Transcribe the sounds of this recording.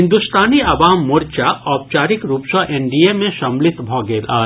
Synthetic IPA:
ɪ̃nd̪ust̪ʰaːniɐʋaːmːʊɾt͡ʃaɔːp̚t͡ʃaːɾɪkɾuːpsɔʔẽɳɖiemẽʃɐmlɪt̪bʱɔːɡeːlaː

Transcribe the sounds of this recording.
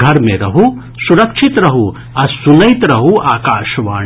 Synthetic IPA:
ɡʱɐɾmẽɾɐɦu | suɾɐkʂʰit̪ɾɐɦu | ɐsunɐjt̪ɾɐɦuʔaːkaːʃʋaː

